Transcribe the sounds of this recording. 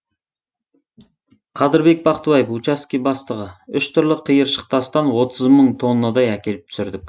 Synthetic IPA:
qʰɑd̪ɪɾbe̞k̚bɑqt̪əbɑjəfut͡ʃaskʲijbɑst̪əʁəʏʃt̪ʰʊɾlˠəqʰːijəɾʃə̥q̚t̪ɑst̪ɑnwo̞t̪ʰəzməɴt̪ʰo̞nːɑd̪ɑjækʲe̞lɪp̚t̪ʰsɪɾd̪ɪkʲ

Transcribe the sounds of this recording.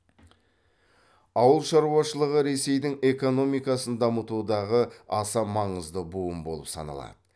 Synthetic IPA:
ɑwəlˠʃɑɾuɑʃəlˠəʁəɾe̞se̞jd̪ɪŋe̞ko̞no̞mijkɑsənd̪ɑmət̪ud̪ɑʁəɑsɑmɑɴəzd̪əbuəmbo̞̰lˠə̰psɑ̰nɑ̰lˠɑ̰d̪ə

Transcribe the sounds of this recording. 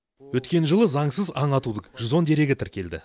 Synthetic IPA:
wɵt̪kʲe̞nʒəlˠəzɑɴsəzɑɴɑt̪ud̪əʒɪzo̞nd̪e̞ɾe̞ɡʲɪt̪ʰɪɾkʲe̞ld̪ɪ̰

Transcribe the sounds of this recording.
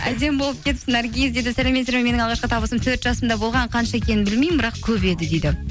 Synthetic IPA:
æ̰d̪e̞mbo̞lˠəp̚kʲʰe̞t̪ɪ̥psɪneɾɡʲijzd̪ed̪ɪsælemet̪seɾmeme̞nɪŋɑlˠʁɑʃqəɑt̪ʰɑbəsəmt̪ʰɵɾt̪ʒɑsəmd̪ɑbo̞lˠʁɑɴqʰɑnʃɑekʲʰe̞nɪnbɪlmejmbɪɾɑq̚kʲʰɵpe̞d̪ɪd̪e̞jd̪ɪ

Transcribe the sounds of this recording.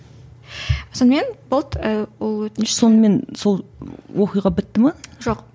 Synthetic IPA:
sonəme̞nbolˠt̪əwolˠwɵt̪so̞nəme̞nso̞lˠwʔo̞qijʁɑbɪt̪ːɪmɑʒo̞q

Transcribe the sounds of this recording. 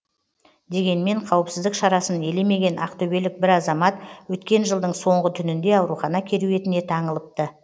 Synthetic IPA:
d̪e̞ɡʲe̞nme̞ɴqʰɑwəpsɪzd̪ɪkʃɑɾɑsəne̞le̞me̞ɡʲe̞nʔɑqt̪ʰɵbe̞lɪk̚bɪɾɑzɑmɑt̪wɵt̪kʲe̞nʒəlˠd̪əɴso̞ɴʁət̪ʰʏnɪnd̪e̞ɑwɾuχɑnɑkʲʰe̞ɾuje̞t̪ɪne̞t̪ʰɑɴəlˠəp̚t̪ə

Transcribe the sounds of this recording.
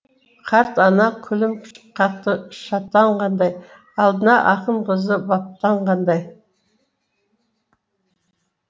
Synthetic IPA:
qʰɑɾt̪ɑnɑkʲʰʏlɪmkʰʲqʰɑt̪ːəʃɑt̪ːɑɴqɑnd̪ɑj | ɑlˠd̪ənɑʔɑqəɴqəzəbɑp̚t̪ɑɴqɑnd̪ɑj

